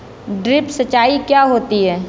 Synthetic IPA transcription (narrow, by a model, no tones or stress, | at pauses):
ɖɾɪpsɐt͡ʃːaːikjaɦoːt̪iɦɛː